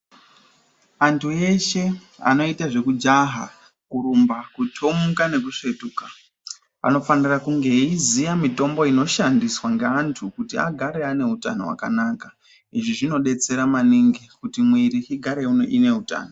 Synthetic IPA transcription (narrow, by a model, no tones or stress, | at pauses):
antʰue̞ʃe̞a̰no̞itaʐe̞kud͡ʒaɦa̰ | kuɾumbakutʰomukane̞k̬uʂe̞tuka | a̰no̞fanirakuŋɡe̞izijamito̞mbo̞ino̞ʃandiswaŋɡeantʰukutia̰ɡʱaɾe̞ane̞uta̰no̞̰wa̰ka̰naːka | iʐiʐino̞ɗe̞t͡se̞ɾamaniŋɡikutimwiɾiiɡʱaɾe̞unoʔine̞uta̰ːno